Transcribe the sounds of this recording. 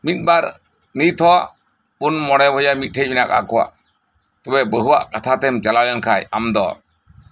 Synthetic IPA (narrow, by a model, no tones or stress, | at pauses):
mit̪̚ˀbaɾ | nit̪̚ˀt̪ʰɔwaʔ | punmɔɽɛbʱɔjamit̪̚ˀʈʰɛc̚mɛnaka̰kɔwa̰ʔ | t̪ɔbɛbəɦuwa̰ʔkat̪ʰat̪ɛmt͡ʃalajankʰaja̰md̪ɔ